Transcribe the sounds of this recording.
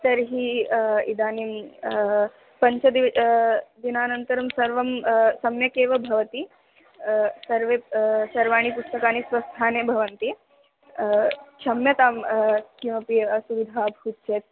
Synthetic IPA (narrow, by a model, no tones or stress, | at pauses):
t̪ɐɾɦiid̪aːnim | pɐɲt͡ʃʰɐd̪i | d̪inaːnɐnt̪ɐɾɐmsɐɾʋɐmsɐmjɐkeːʋɐbʱɐʋɐt̪i | sɐɾʋeːsɐɾʋaːɳ̃ipust̪ɐkaːnisʋɐst̪ʰaːneːbʱɐʋɐnt̪i | t͡ʃʰɐmjɐt̪aːmkiʋɐpisuʋid̪ʱaːbʱɐut̪t͡ʃeːt̪̚